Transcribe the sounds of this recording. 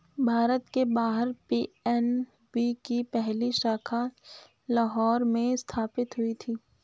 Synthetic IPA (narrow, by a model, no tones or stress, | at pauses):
bʱaːɾət̪kebaːɦəɾpiːɛn | bikipɛɦliʃaːkʰa | laɦɔːɾmẽɪst̪ʰaːpɪt̪ɦʊit̪ʰiː